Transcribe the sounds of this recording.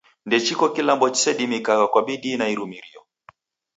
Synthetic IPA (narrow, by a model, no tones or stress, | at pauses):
ndɛt͡ʃikɔkilambɔt͡ʃi̥sɛɗimikakakwaɓiɗinaiɾumiɾiɔ